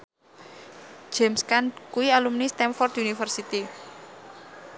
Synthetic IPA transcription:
d͡ʒ̥ɛmskankuialumnist̪ɛmfɔrt̪unifərsit̪i

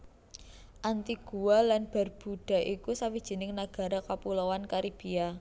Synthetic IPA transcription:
ʔant̪iɡ̥uwalanb̥a̤rb̥uɖ̥a̤ʔikusawid̥ʒ̥i̤nɪŋnaɡ̥a̤ɾakapulowankaɾib̥ia

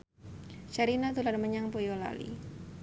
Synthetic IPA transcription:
t͡ʃaɾinat̪ulanməɲaŋpujola̰lḭ

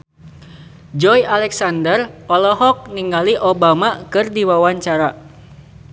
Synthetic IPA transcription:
d͡ʒɔjʔalɛksandərpɔlɔɦɔk̚niŋɡaliʔobamakɨrdiwawaɲt͡ʃaɾa

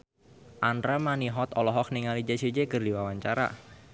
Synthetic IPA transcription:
ʔandɾamaniɦɔt̪ɔlɔɦɔk̚niŋalid͡ʒasid͡ʒekɨrdiwawaɲt͡ʃaɾa̰

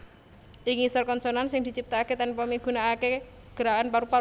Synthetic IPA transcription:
ʔiŋisɔrkɔnsonansɪŋd̪̥i̤t͡ʃip̚t̪aket̪ɛnpəmiɡ̥unaːke | ɡ̥əɾaanpaɾupa

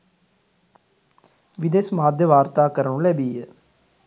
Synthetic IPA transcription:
ʋɪd̪eːsmaːd̪jəʋaːɾt̪aːkəɾənõːlɛːbiːɛː

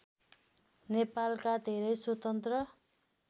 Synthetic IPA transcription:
nepalkad̪ʱeɾʌjswot̪ʌnt̪rʌ

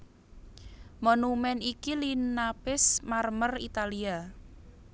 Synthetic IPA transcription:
monumɛnikilinapɪsmarmərḭt̪alia

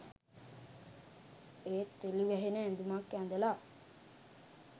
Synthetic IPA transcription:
eːt̪ːeliʋɛɦenəẽnd̪umakːænd̪əla

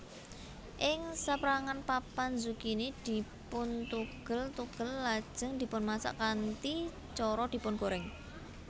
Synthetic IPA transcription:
ʔɪŋsapɾaŋanpapanzukinid̪̥i̤pʊnt̪uɡ̥ə̤lt̪uɡ̥ə̤lːad̥ʒ̥ə̤ŋd̪̥i̤pʊnmasa̰ʔkant̪i | t͡ʃɔɾɔd̪̥i̤pʊnkoɾɪŋ

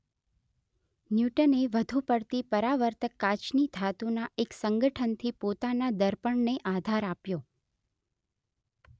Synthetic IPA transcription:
njuʈəneʋəd̪ʱupəɽt̪ipəɾaʋəɾt̪əkːat͡ʃnid̪ʱat̪unaeksəŋɡəʈʰənt̪ʰipot̪anad̪əɾpəɳneʔad̪ʱaɾapjo

